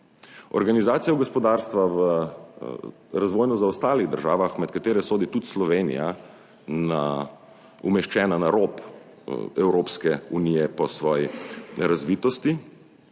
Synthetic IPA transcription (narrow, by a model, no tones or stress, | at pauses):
ɔ̰ɾɡanizaːt̪sijɔɡɔspɔd̪aːɾst̪ʋaʋə | ɾazʋoːjnɔzaɔst̪aːliɣd̪əɾʒaːʋaxmɛt̪̚kat̪eːɾɛsoːd̪it̪ut̪slɔʋeːnḭja | na | umɛʃt͡ʃɛːnanaɾop | ɛwɾoːpskɛunijɛpɔsʋɔːjiɾazʋiːt̪ɔst̪i